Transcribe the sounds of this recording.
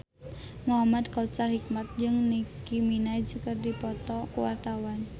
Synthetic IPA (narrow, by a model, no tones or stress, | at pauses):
muɦamad̪kaut͡ʃarhik̚mat̪̚d͡ʒɨŋnikiminaid͡ʒəkərdipɔt̪ɔkuwa̰rt̪awan